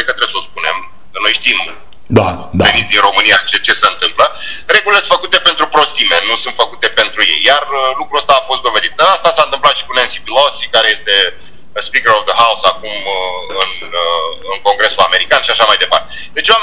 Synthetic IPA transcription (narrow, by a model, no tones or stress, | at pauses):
ekət̪ɾebesospune̞̰m | kəno̞jʃt̪im | d̪a | avenit̪sʲd̪inɾo̞mɨnijat͡ʃet͡ʃe̞seɨnt̪ɨmplə | re̞ɡulilesfəkut̪e̞pe̞nt̪ɾupɾo̞st̪ime̞nusunt̪fəkut̪e̞pe̞nt̪ɾujḛjːarəlukɾuəst̪aːfo̞st̪d̪o̞ve̞d̪it̪̚əast̪asaɨnt̪ɨmplat̪ʃi̥kunensipilosikaɾe̞je̞st̪e̞ | spikəɾovðəɦausakumɨn | əɨnko̞ŋɡɾe̞sulame̞ɾikanʃiaʃamajd̪e̞pa̰rt̪ed̪e̞t͡ʃʲwam